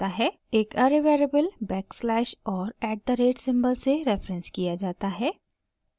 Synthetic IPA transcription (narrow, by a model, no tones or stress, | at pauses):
aɦɛ | eːkɐɾeʋeːɾebəlbɛːkslɛːʃɔːɾɛːɖ̚d̪əɾeːʈsɪ̃mbəlseɾɛfɾə̃nskijad͡ʒaːt̪aɦɛː